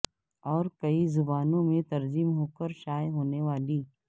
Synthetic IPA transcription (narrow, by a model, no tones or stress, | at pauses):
ɔːɾkɐizʊbaːnõmẽt̪ɐɾzimɦoːkəɾʃaːjɦoːneʋaːliː